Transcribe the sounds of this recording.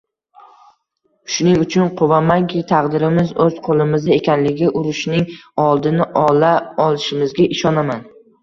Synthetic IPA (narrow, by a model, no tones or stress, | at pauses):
ʃʊnɪŋʊt͡ʃʰʊnqʰʊvamaŋkʲɪt̪ʰɑqd̪ɪɾɪmɪzɵz̥qʰolˠɪmɪzaekʲʰanlɪɡʲɪʔʊɾʊʃnɪŋɒlˠd̪ɪnɪʔlaɒlˠɪʃɪmɪzɡʲaʔɪʃɒnaman